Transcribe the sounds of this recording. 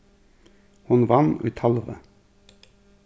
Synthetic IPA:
hʊnʋɑnʉ̰ːt̪ʰɑlʁə̰

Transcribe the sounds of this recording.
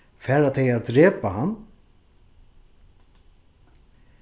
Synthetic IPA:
fɛːɾat̪ʰɛjad̪ɾeːpahanː

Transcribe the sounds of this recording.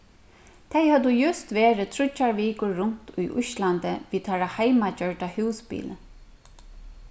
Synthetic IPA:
t̪ʰajhœd̪ujʏst̪ʋeːɾɪt̪ʰɾʊt͡ʃːaɹʋiːkʊːʊn̥t̪ʊ̰jʔʊ̰ʃlant̪əʋiːt̪ʰaɹahajmat͡ʃœɹʈahʉwspḭːlə

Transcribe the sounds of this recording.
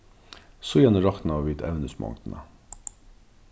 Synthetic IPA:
sɔjɛnʊmɾɑkt̪n̩ɑːʋʋiːt̪ʰɛ̰ʋnʉsmʔɑ̰ŋt̪n̩ə̰

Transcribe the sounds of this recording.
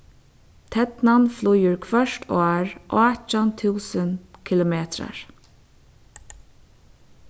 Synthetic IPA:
t̪ʰɛt̪nanflʊjʏɹkʰvœʂt̪ɔːɹʔɔːt͡ʃant̪ʰuːsənkʰɪlʊmeːt̪ɾa̰ɹ

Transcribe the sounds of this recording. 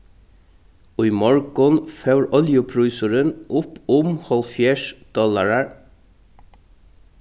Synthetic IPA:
ʊʏmɔɹɡʊnfœʉɹʔɔljʊpʰɹʉːsʊɹənʔʊpʊmhɔlfjæːʃd̪̥ɔlɑɹəɹ

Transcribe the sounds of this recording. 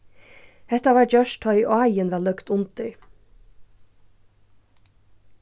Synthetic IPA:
hɛt̪ɑʋɑːɾd͡ʒœʃt̪ʰœʏʔoæɪənʋɛlœkt̪ʊnt̪ɪ

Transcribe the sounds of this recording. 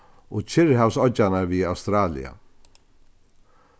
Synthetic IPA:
ɔɣt͡ʃʰɪɾɦawsɔt͡ʃːanaɾviawst̪ɾaːlɪ̰a̰

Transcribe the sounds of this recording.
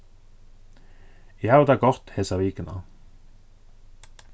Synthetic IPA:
jaʊd̪ɑːɡɔʁt̪hesɑʋiːkənɑ̰

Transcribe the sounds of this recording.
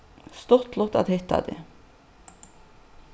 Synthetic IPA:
st̪ɔt̪lɔt̪ɑ̰d̪hɪt̪ːɑ̰d̪ḛ

